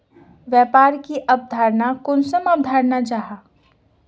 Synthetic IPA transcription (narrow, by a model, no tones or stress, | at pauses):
ʋjaːpaːɾkiʔɐb̚d̪ʱaːɾnakʊnsəmɐb̚d̪ʱaːɾnat͡ʃaːɦaː